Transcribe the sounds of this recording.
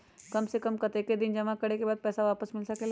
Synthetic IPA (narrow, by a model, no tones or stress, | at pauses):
kɐmsekɐmkɐt̪eːked̪ɪnd͡ʒɐmãkɐɽekebaːd̪̚pɛːsaʋaːpəsmɪlsɐkel